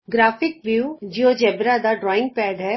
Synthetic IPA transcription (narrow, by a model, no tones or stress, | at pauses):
ɡɾaːfɪkʋjuːd͡ʒioːd͡ʒɛːbɾad̪aɖɾɔːɪ̃ŋɡ̚pɛːɖɦɛ